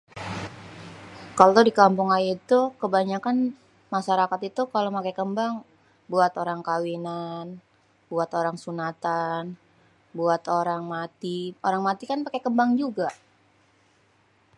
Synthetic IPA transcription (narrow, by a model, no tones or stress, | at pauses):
kalodikampʊŋajat̪ukəbaɲakan | maʃaɾakat̪it̪ukalomakekəmbaŋ | buat̪oɾaŋkawinan | buat̪oɾaŋsunat̪an | buat̪oɾaŋmat̪ioɾaŋmat̪ikanpakekəmbaŋd͡ʒuɡa